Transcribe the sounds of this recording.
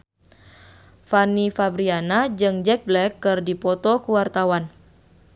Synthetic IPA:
fanifabɾianad͡ʒɨŋd͡ʒɛk̚blɛkːɨrdipɔt̪ɔkuwart̪awan

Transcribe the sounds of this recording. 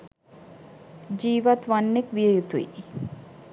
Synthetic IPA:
d͡ʒiːʋat̪ʋanːekʋijəjut̪uḭ

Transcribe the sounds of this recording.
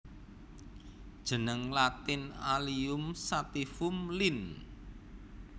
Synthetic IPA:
d̥ʒ̥ə̤nəŋlat̪ɪnaliʊmsat̪ifʊmlin

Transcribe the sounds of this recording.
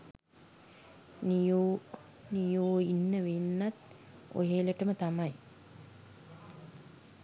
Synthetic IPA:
nijoː | nijoːinːəʋenːat̪ | o̰ɦeːləʈəmət̪amaj

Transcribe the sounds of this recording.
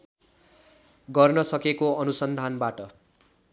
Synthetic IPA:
ɡʌrnʌsʌkekoʌnusʌnd̪ʱanbaʈʌ

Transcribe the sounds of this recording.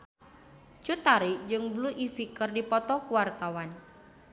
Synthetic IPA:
t͡ʃut̪aɾid͡ʒɨŋbluʔifikərdipɔt̪ɔkuwart̪awan

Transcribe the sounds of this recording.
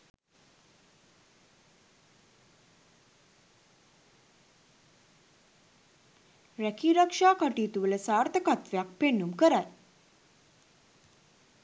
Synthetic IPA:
ɾækiːɾakʂaːkəʈiːt̪uʋələsaːɾt̪əkat̪ʋejak̚peɳːumkəɾaj

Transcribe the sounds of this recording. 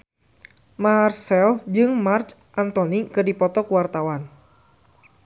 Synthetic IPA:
marsɛld͡ʒɨŋmart͡ʃ | ʔant̪ɔnikɨrdipɔt̪ɔkuwart̪awan

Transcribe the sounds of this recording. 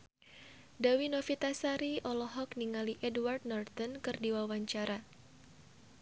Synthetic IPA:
dawinɔfit̪asaɾiʔɔlɔɦɔkniŋaliʔɛdwart̪̚nɔrt̪ɔnkɨrdiwawaɲt͡ʃaɾa

